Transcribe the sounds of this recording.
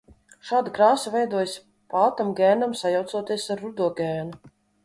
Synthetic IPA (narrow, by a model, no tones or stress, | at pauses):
ʃaːd̪akɾaːsuvɛjd̪uɔjs | pat̪amɡɛːnamsajawt̪suɔt̪iɛsaɾːud̪uɔɡʲɛːnu